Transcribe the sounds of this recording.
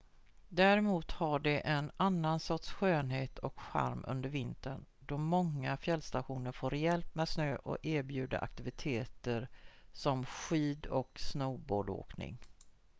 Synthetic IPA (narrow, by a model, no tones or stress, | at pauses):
d̪æɾɛmuːt̪haɖɛʔɛnanːansɔt̪sɧøːnheːt̪ʰɔ̰kɧa̰ɾmɵ̰nd̪əɾvɪnt̪əɳd̪ɔmɔŋːafjɛlst̪aɧuːnəɾfoːɾjɛlpmɛːd̪snøːʔɔ̰æːɾbjʉ̟ːd̪a̰ɾʔa̰k̚t̪ɪvɪt̪ʰeːt̪əɾsɔmɧiːd̪ɔksnɔːboːɖo̰ːknɪ̰ŋ